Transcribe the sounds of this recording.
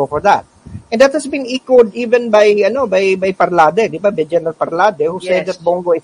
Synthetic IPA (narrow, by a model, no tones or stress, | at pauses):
ofɔɹða̰t̪̚ʔɛ̃nd̪ɐt̪̚hɐsbĩnikwod̪iːvɛ̃nbajɐnobajbajpɐɾlad̪ɛd̪ɪbabɛd͡ʒɛnɐlpɐɾlad̪ɛhusɛd̪ðɐt̪̚boŋɡoɪ